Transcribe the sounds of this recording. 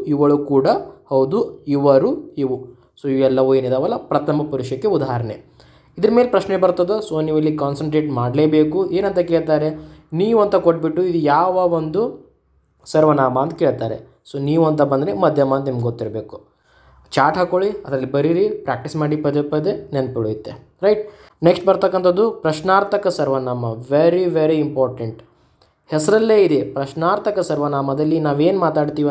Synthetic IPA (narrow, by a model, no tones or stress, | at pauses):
iʋɐɭukuːɽɐhɐwd̪uiʋɐɾuiʋu | soːiʋɛlːɐʋue̞ːnid̪aːʋɐlːɐpɾɐt̪ʰɐmɐpuɾiʂjɐkːeud̪aːɦɐɾɐɳe | id̪ɐɾɐme̞ːlepɾɐʃnebɐɾt̪ɐd̪osoːniʋɐlːikaːnsɐɳʈɾeːʈmaːɖleːbeːkue̞ːnɐnt̪ɐkeːɭt̪aːɾeniːʋuɐnt̪ɐkoʈ̚ːbiʈːuid̪ujaːʋɐʋond̪u | sɐɾʋɐnaːbaːnt̪ɐ̥ke̞ːɭt̪aːɾḛ | soːniːʋuɐnt̪ɐbɐnd̪ɐɾemɐd̪ʱjɐmaːnt̪nimɡɡot̪ːiɾbe̞ːku̥ | t͡ʃaːɾʈɦaːkoɭiɐd̪ɾɐlːibɐɾiɾipɾaːk̚ʈismaːɽipɐd̪epɐd̪enenpiɭoit̪ːe | ɾɐjʈ̚ | neksʈ̚bɐɾt̪ɐkːɐnt̪ɐd̪ːupɾɐʃnaːɾt̪ʰɐkɐsɐɾʋɐnaːmɐʋeɾiʋeɾiimpaːɾʈeɳʈ | hɛsɐɾɐlːeːid̪epɾɐʃnaːɾt̪ʰɐkɐsɐɾʋɐnaːmɐd̪ɐlːinaːʋe̞ːnmaːt̪aːɖt̪iːʋ